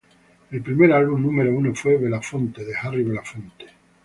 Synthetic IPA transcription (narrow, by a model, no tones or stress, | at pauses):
elpɾime̞ɾalβumnũmeɾounofwe̞βelafo̞nt̪eðexariβelafont̪e̥